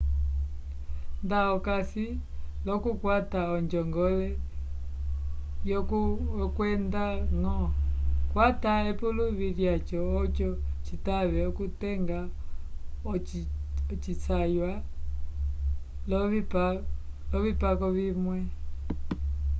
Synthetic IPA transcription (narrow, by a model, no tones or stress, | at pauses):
ndaɔkasilɔkukwataɔɲd͡ʒɔŋɡɔlɛ | jɔkkwɛndaŋɔkwataɛpuluβiɾjat͡ʃɔːt͡ʃɔt͡ʃitaβɛɔkutɛŋɡa | ɔt͡ʃisajwa | lɔp | lɔβipakɔβimwɛ